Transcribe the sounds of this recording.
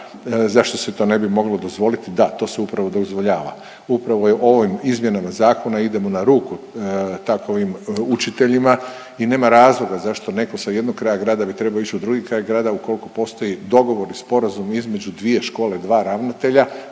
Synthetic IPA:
zaʃt̪o̞set̪o̞ːne̞bimo̞ɡlod̪o̞zʋo̞lit̪id̪at̪o̞ːseupɾaʋo̞d̪ozʋoʎaːʋa̰ | upɾaʋoʔo̞ʋimizmje̞namazaːko̞naid̪e̞mo̞naɾuːkut̪akoʋimut͡ʃit̪e̞ʎima | ine̞ːmaɾaːzlˠo̞ɡazaʃt̪o̞ne̞kosajed̪nok̚kɾajaɡɾaːd̪abit̪ɾe̞bait͡ʃud̪ɾuɡikɾaːjaɡɾaːd̪auko̞likopo̞ːst̪ojid̪o̞ɡo̞ʋo̞ɾispo̞ɾazumizme̞d͡ʑud̪ʋije̞ʃko̞ːle̞d̪ʋaːɾaʋnat̪e̞ʎa

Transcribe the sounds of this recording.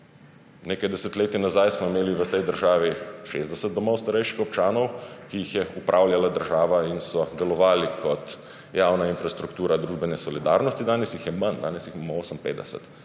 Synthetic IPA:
neːkajd̪ɛsɛt̪leːt̪inazajsmɔimeːliʋət̪ɛjd̪əɾʒaːʋiʃeːzd̪ɛsət̪̚d̪ɔmɔwst̪aɾɛjʃixɔpt͡ʃaːnɔwkijixjɛupɾʔaːwlʲjalad̪əɾʒaːʋainsɔd̪ɛlɔʋaːlikʰɔt̪ | jaːwnainfɾast̪ɾukt̪uːɾad̪ɾuːʒbɛnɛsɔlid̪aːɾnɔst̪id̪aːnɛsjixjɛmand̪aːnɛsjixmamɔoːsəmpḛːd̪d̪ɛsɛ̰t̪

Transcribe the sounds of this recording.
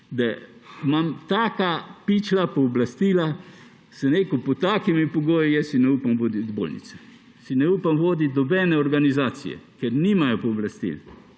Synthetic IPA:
d̪amamt̪aːkapit͡ʃlapɔːblast̪iːla | sɛnekupɔt̪aːkimipɔɡoːjijɛssinɛupamʋoːd̪it̪bo̰ːlnḭt̪sɛ̥ | sinɛuːpamʋoːd̪it̪nɔbɛnɛɔɾɡanizaːt̪sḭjɛ̰kɛɾniːmajɔpɔːblast̪ḭl

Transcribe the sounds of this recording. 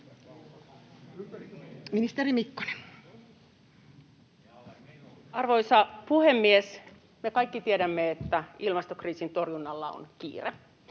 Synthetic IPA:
minist̪eɾimikːo̥ne̥n | ɑrʋo̞jsɑpuhemːies | mekɑjkːit̪iedæmːeet̪ːæilmɑst̪okriːsint̪o̞rjunːɑlːɑo̰nkḭːre

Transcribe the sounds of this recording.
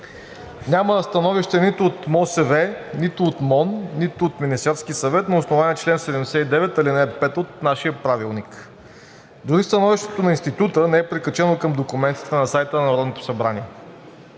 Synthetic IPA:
nʲaməst̪ɐnɔviʃt̪ɛnit̪ʊot̪mɔsɛvɛnit̪ʊːt̪mɔnːit̪ʊot̪minist̪ɛɾsk̟isɐvɛt̪nɐosnovaniɛt͡ʃlɛnsɛd̪ɛmd̪ɛsɛid̪ɛvɛt̪ɐlinɛpɛt̪ot̪̚naʃijəpɾavilˠnik | d̪ʊɾist̪ɐnɔviʃt̪ɛ̥t̪onɐinst̪it̪ut̪ənɛɛpɾikət͡ʃɛnokɤmd̪okʊmɛnt̪i̥t̪ɛnɐsajt̪ənɐnɐɾɔd̪not̪o̥sɐbɾaniɛ

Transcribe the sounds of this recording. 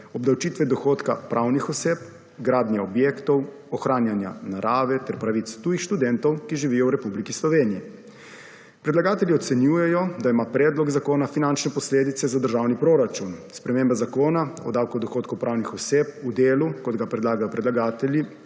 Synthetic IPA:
ɔbd̪awt͡ʃiːt̪ʋɛd̪ɔxoːt̪ka̰pɾʔawnixɔseːp | ɡɾaːd̪njaɔbjeːkt̪ɔw | ɔxɾaːnjanja̰naɾʔaːʋɛt̪ɛɾpɾaʋit̪st̪uːjixʃt̪ud̪ɛnt̪ɔwkiʒiʋiːjɔwɾɛpublikislɔʋeːniji | pɾɛd̪laɡaːt̪ɛlʲiɔt̪sɛnjuːjɛjɔd̪aimapɾɛːd̪lɔɡzakoːnafinant͡ʃnɛpɔsleːd̪it̪sɛzad̪əɾʒaːwnipɾoɾat͡ʃunspɾɛmeːmbazakoːnaɔ̰d̪awkɔd̪ɔxoːt̪̚kɔwpɾʔaːwnixɔseːp̚ud̪eːlukɔd̪ɡapɾɛd̪laːɡajɔpɾɛd̪laɡaːt̪ɛlji

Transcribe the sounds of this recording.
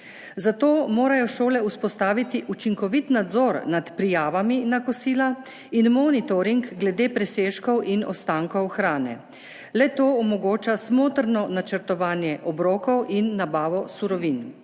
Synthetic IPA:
zat̪oːmoːɾajɔʃoːlɛuspɔst̪aːʋit̪iʔut͡ʃiŋkɔʋit̪nad̪zɔːɾnat̪pɾijaːʋaminakɔsiːla | inmɔːnit̪ɔɾiŋkɡlɛd̪eːpɾɛseːʃkɔwʔinɔ̰st̪aːŋkɔwxɾaːnɛ̰ | lɛt̪oːɔmɔɡoːt͡ʃasmoːt̪əɾnɔnat͡ʃəɾt̪ɔʋaːnjɛʔɔbɾoːkɔwʔinːabaːʋɔsuɾɔʋin

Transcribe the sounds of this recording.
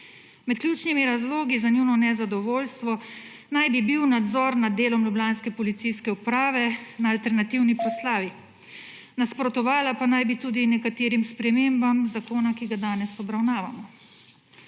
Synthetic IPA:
mɛt̪̚kljuːt͡ʃnimiɾazloːɡizaniwnɔnɛzad̪ɔʋoːlst̪ʋɔ | najbibiwnad̪zɔːɾnad̪dːeːlɔmlublʲaːnskɛpɔlit̪sijskɛupɾaːʋɛnaːlt̪ɛɾnat̪iwnipɾɔslaːʋi | naspɾɔt̪ɔʋaːlapanajbit̪uːd̪inɛkat̪eːɾimspɾɛmeːmbamzakoːnakiɡad̪aːnɛsɔbɾawnaːʋamɔ

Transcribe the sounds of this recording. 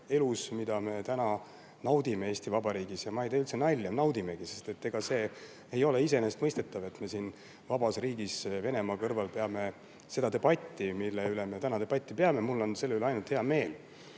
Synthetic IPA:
e̞lusmid̪ɑme̞t̪ænɑ | nɑwd̪̥imeeːst̪ivɑbɑɾiːɡ̥isjɑmɑejd̪eylt̪senɑlʲːɑnɑwd̪ime̞ɡ̥ise̞st̪e̞t̪ːe̞ɡ̥ɑse̞ː | ejo̞le̞isenest̪mɤjst̪e̞t̪ːˑɑve̞t̪me̞siːn | vɑbɑsriːɡ̥isve̞ne̞mɑkɤrvɑlpe̞ɑme̞ | se̞d̪̥ɑd̪e̞b̥ɑt̪ʲːimilːeyle̞me̞t̪ænɑd̪e̞b̥ɑt̪ʲːˑipe̞ɑme̞mulːo̞nse̞lːyleɑjnult̪he̞ɑme̞ːl

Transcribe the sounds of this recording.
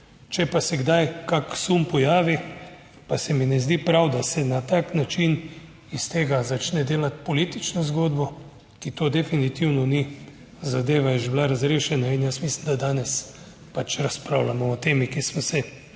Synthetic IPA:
t͡ʃɛpasɛɡd̪ajkaksumpɔjaːʋi | pasɛminɛzd̪ipɾawd̪asɛnat̪aːknat͡ʃin | ist̪eːɡazat͡ʃnɛd̪eːlat̪pɔliːt̪it͡ʃnɔzɡoːd̪bɔ | kit̪oːd̪ɛfinit̪iwnɔni | zad̪eːʋajɛʒɛblaɾazɾeːʃɛnainjəsmislind̪ad̪aːnɛs | pat͡ʃɾaspɾawlamɔɔt̪eːmikismɔsɛ

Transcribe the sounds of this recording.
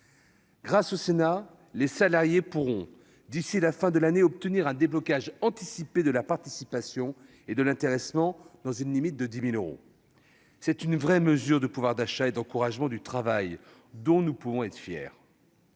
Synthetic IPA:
ɡʁasosena | lesalaʁjepuʁɔ̃ | d̪isilafɛ̃d̪əlaneɔp̚t̪əniʁɛ̃d̪eblɔkʲaʒɑ̃t̪isiped̪əlapaʁt̪isipasjɔ̃ | ed̪əlɛ̃t̪eʁɛsmɑ̃d̪̥ɑ̃zynlimit̪̚d̪əd̪imiløʁo̰ | sɛt̪ynvʁɛməzyʁd̪əpuvwaʁd̪aʃaed̪ɑ̃kuʁaʒmɑ̃d̪yt̪χavaj | d̪ɔ̃nupuvɔ̃ɛt̪fjɛ̰ːʁ

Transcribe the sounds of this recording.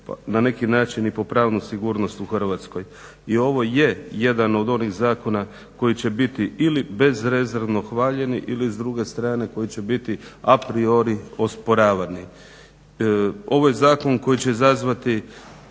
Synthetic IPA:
pa̰nane̞kinaːt͡ʃinipo̞pɾaːʋnusiɡuːɾno̞st̪uxr̩ʋat̪sko̞j | io̞ʋo̞je̞je̞d̪ano̞d̪o̞niɣzaːko̞na | ko̞jit͡ɕe̞bit̪iilibe̞zɾe̞zeɾʋno̞xʋaːʎe̞niʔilizd̪ɾuɡe̞st̪ɾaːne̞ko̞jit͡ɕe̞bit̪iapɾio̞ɾio̞spo̞ɾaːʋani | o̞ʋo̞jezaːko̞nko̞jit͡ɕe̞zazʋat̪i

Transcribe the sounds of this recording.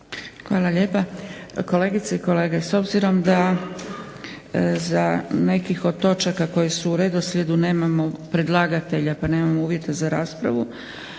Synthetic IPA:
xʋaːlˠaʎepako̞le̞ːɡit̪seiko̞le̞ːɡeso̞bziɾo̞md̪a | zane̞kixo̞d̪̚t̪o̞t͡ʃakako̞jesuuɾe̞d̪oslʲe̞d̪une̞ːmamo̞pɾed̪lˠaːɡat̪e̞ʎapane̞ːmamouːʋje̞t̪azaɾaːspɾa̰ʋu

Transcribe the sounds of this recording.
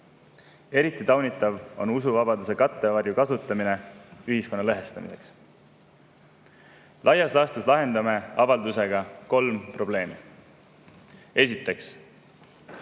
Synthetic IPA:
e̞ɾit̪ːˑit̪ɑwnit̪ːˑɑvo̞̰nusuvɑbɑd̪use̞kɑt̪ːe̞vɑrjukɑsut̪ːˑɑmine̞yɦisko̞nːɑleɦe̞st̪ɑmḭse̞̰ks | lʔɑjːɑslɑːst̪uslɑɦe̞nd̪ɑmeɑvɑld̪use̞ɡ̥ɑko̞lmpro̞ble̞ːmi | e̞sit̪ːˑe̞ks

